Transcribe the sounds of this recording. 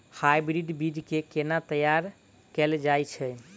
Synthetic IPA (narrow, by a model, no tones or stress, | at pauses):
hajbɾiɖbid͡ʒkekenat̪əjaɾ | kɛld͡ʒajt͡ʃʰɛ